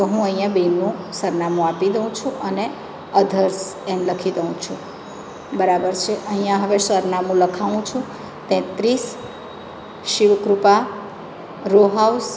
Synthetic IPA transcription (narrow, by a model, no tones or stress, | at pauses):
t̪oɦũə̃ĩjãbenũsəɾnamũapid̪əũt͡ʃʰũʔəne | əd̪ʱəɾsɛnləkʰid̪əũt͡ʃʰũ | bəɾabəɾt͡ʃʰeʔəɦĩjãɦəʋeʃəɾnamũləkʰaʋũt͡ʃʰũ | t̪ɛ̃t̪ɾis | ʃiʋkɾupa | ɾoɦaus